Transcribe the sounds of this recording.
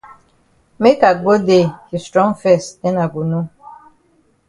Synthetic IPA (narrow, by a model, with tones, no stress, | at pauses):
me˦ka˨ɡo˦de˦˨hi˨stɾɔ̃˦ŋfɛ˦˨sɛ˦na˨ɡu˨no˦